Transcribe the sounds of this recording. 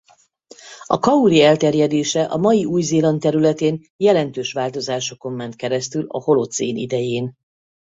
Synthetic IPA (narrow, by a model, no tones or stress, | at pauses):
ɒkɒuɾiɛlt̪ɛrjɛd̪eːʃɛʔɒmɒjiuːjzeːlɒnt̪ɛɾylɛt̪eːn | jɛlɛnt̪øːʃʋaːlt̪o̞zaːʃo̞ko̞mːɛnt̪̚kɛɾɛst̪ylɒ̰ho̞lot̪sḛːnḭd̪ɛjeːn